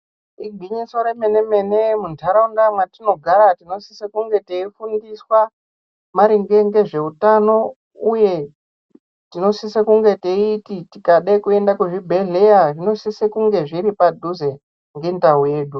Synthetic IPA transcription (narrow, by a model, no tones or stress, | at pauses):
iɡʱiɲiso̞ɾe̞me̞ne̞me̞nemuntʰaɾaundamwatino̞ɡʱaɾatino̞sisekuŋɡe̞teifundiswa | maɾiŋɡe̞ŋɡe̞ʐe̞utano̞ | uje̞ | tino̞sisekuŋɡe̞teititikaɗakue̞ndakuʐibʱeɮejaʐino̞sisekuŋɡe̞ʐiɾipadʱuze̞ | ŋɡentauje̞ːɗu